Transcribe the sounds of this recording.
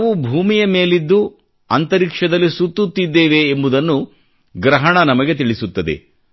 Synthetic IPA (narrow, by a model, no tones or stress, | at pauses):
ʋubʱuːmijɐme̞ːlid̪ːu | ɐnt̪ɐɾikʂɐd̪ɐlːisut̪ːut̪ːid̪ːeːʋeːmbud̪ɐnːu | ɡɾɐɦɐɳɐnɐmɐɡe̞t̪iɭisut̪ːɐd̪ḛ